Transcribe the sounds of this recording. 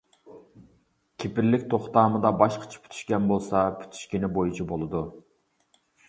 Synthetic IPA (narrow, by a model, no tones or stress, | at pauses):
kʲʰepɪɾlɪkʲt̪ʰoχt̪ɑːmɨd̪ɑbɑʃqʰɑ̥t͡ʃʰɑ̥pʰy̥t̪ʰy̥ʃkʲɛnbolˠsɑpʰy̥t̪ʰy̥ʃkʲinɪbojut͡ʃʰibolˠɨd̪u